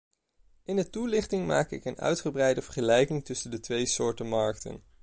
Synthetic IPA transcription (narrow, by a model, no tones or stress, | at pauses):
ɪndətulɪχtɪŋma̰ːkɪkənœ̰ɥtχəbrɛjdəvəɹχəlɛjkɪŋtɵsəndətʋejsʊːɹtəmɑɹk̚tə̰n